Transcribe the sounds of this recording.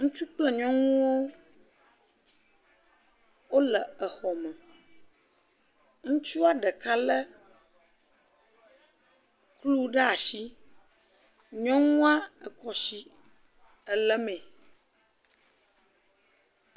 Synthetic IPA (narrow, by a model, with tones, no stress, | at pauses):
ŋũ˦t͡ʃu˦k͡plɛ˦ɲɔ̃˦ŋ̃ũ˦wo˦ | wo˦lə˨ə˨xɔ˨mɛ̃˨ | ŋũ˦t͡ʃu˦a˨ɖə˨ka˦lə˦ | klu˦ɖə˦a˨ʃi˦ | ɲɔ̃˦ŋũ˦a˦ə˨kɔ˨si˦ | ə˨lə˦mẽ˨